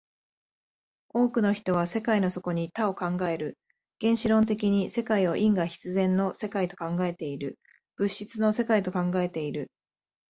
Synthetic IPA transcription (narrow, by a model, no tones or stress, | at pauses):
o̞ːkɯ̟no̞çi̥t̪o̞β̞ase̞kaino̞so̞ko̞ɲ̟it̪ao̞kãŋɡae̞ɾɯ̟ | ɡ̥ẽ̞ɰ̃ɕiɾõ̞nt̪e̞kʲiɲ̟ise̞kaio̞ʔĩŋɡaçi̥t͡sɨzẽ̞nːo̞se̞kait̪o̞̥kãŋɡae̞t̪e̞iɾɯ̟ | b̥ɯ̟ɕːit͡sɨno̞se̞kait̪o̞kãŋɡae̞t̪e̞iɾɯ̟